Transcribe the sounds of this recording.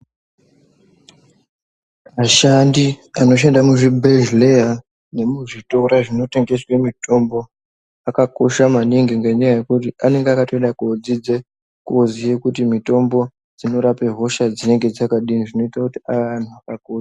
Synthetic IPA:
maʃandiano̞ʃ̬endamuʐibʱeʒleja | ne̞muʐito̞ɾaʐino̞te̞ŋɡe̞swe̞mito̞mbo̞ | akako̞ʃamaniŋɡeŋɡe̞ɲajaje̞kutiane̞ŋɡeakato̞eɗakod͡zid͡ze | kozijekutimito̞mbo̞ | d͡zino̞ɾape̞ɦo̞ʃad͡zine̞ŋɡed͡zakaɗiniʐino̞itakutiaʋan̤uakakoa

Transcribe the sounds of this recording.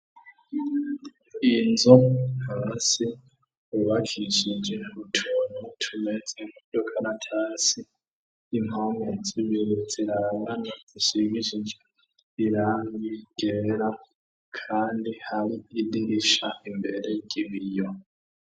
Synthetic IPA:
inzohasi | uβakʰiʃid͡ʒenβutʰonotʰumed͡ziŋudokʰanatʰasiː | maŋɡoziβiɾud͡ziɾaɾaŋanazisiβiʃid͡ʒe | iɾaŋɡiɡ̥eɾa | kʰaːndihaɾiidiɾiʃaʔimbe̞ɾeɟiβijo

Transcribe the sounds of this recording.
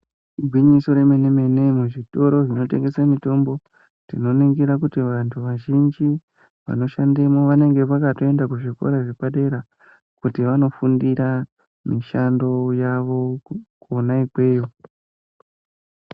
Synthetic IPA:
iɡʱwiɲiso̞ɾe̞meneme̞ne̞muʐito̞ɾo̞ʐino̞te̞ŋɡe̞samito̞mbo̞ | tino̞niɡiɾakutiʋantʰuʋaʒind͡ʒi | ʋa̰no̞ʃande̞mo̞ʋane̞ŋɡe̞ʋakato̞e̞ndakuʐiko̞̰ɾaʐepaɗe̞ɾa | kutiʋano̞fundiɾa | miʃando̞jaʋo̞konaiɡwe̞ːjo

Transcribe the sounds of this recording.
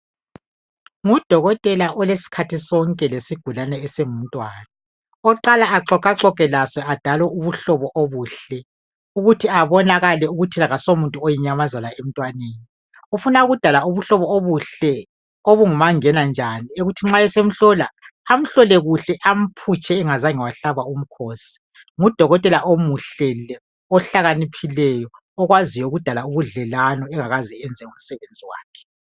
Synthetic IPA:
ŋud̥ʱɔɣɔtʼɛlaʔɔlesi̥kʰatʰisɔŋkʼɛlesiɡ̥ʱulanɛːseŋum̩ntʼwaːna | ɔǃalaaǁʰɔkʼaǁɔkʼɛlaswɛad̥ʱalwɛuβuɬɔβɔʔoβuːɬɛ | uɣutʰiaβɔnaɣalɛuɣutʰilaɣasomuntʼuojiɲamazanaem̩tʼwaneːni | ufunauɣud̥ʱalauβuɬɔβɔoβuɬɛ | oβuŋumaŋɛnand͡ʒʱanieɣutʰiŋ͡ǁaɛsem̩ɬɔlaː | m̩ɬɔlɛɣuɬɛʔam̩pʰut͡ʃʰʼɛːŋazaŋiwaɬaβaum̩kʰosi̥ | ŋud̥ʱɔɣɔtʼɛlaʔomuɬɛlɛ | ɔɬaɣanipʰilɛjɔː | ɣwazijɔuɣud̥ʱalauβuɮɛlanɔɛŋaɣazɛɛnd͡zʱɛŋum̩sɛβend͡zʱiwa̰ːkʰɛ̥

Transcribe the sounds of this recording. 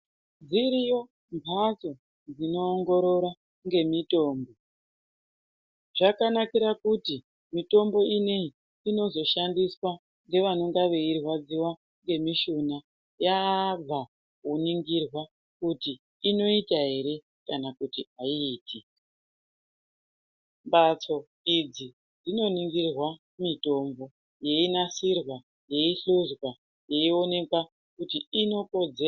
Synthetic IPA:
d͡ziɾijo̞ | mbʱaso̞ | d͡zino̞ːŋɡo̞ɾo̞ɾa | ŋɡe̞mito̞ːmbo̞ | ʐ̥akanakiɾakuti | mito̞mbo̞inei | ino̞zo̞ʃandiswa | ŋɡe̞ʋano̞ŋɡaʋe̞irwad͡ziwa | ŋɡe̞miʃuna | jab͡va | kuniŋɡirwa | kutiː | no̞itaɦe̞ɾe̞ | kanakutiaiːtʰi | mbat͡so̞ | id͡zi | d͡zino̞niŋɡirwa | mito̞mbo̞ | je̞inasirwa | je̞iɬuzwa | jeio̞ne̞kwa | kutiino̞ko̞d͡ze

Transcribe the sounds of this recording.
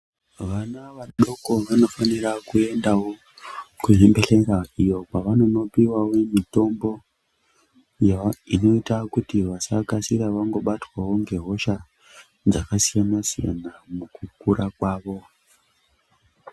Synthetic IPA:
ʋanaʋaɗo̞ko̞ʋano̞fanirakue̞ndawo̞ | kuɦembe̞ɬeɾaijo̞paʋano̞no̞piwawomito̞mbo̞ | jaino̞itakutiʋasakasiraʋaŋɡo̞ɓatwawo̞ŋɡe̞ɦo̞ʃa | d͡zakasijanasija̰namukukurʔakwaːʋo̞

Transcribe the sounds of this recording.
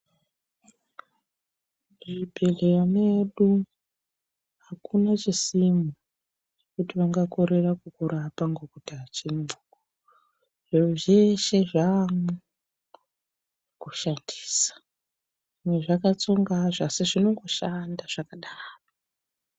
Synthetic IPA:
ʐibʱelerane̞ɗu | ɦakunat͡ʃisimu | t͡ʃekutiʋaŋɡako̞ɾe̞rakukuɾapaŋɡokutaat͡ʃimu̥ko | ʐeʐeʃe̞ʐamu | kuʃandiːsḁ | ʐimwe̞ʐakat͡soŋɡaʐaseʐino̞ŋɡo̞ʃandaʐ̥akaɗaːro

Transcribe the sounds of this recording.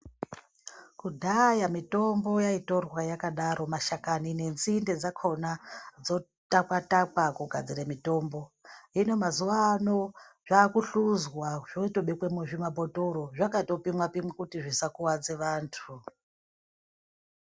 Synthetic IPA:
kudʱajamito̞mbo̞jaito̞rwajakaɗaɾʔo̞maʃakanine̞nzinde̞d͡zakʰo̞nad͡zo̞ | takatakwakuɡʱad͡ziɾemito̞ːmbo̞ino̞mazuʋaːno̞ʐ̥aːkuɬuzwaʐ̥oito̞ɓekwemweʐimaboto̞ɾo̞ʐakato̞pimwapimwekutiʐisakuwad͡ze̞ʋaːntʰu

